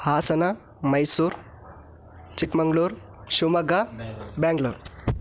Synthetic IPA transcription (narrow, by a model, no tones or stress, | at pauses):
haːsɐna | mɐjsuːɾ | t͡ʃikmɐŋɡluːɾ | ɕumɐɡabɛːŋɡluːɾ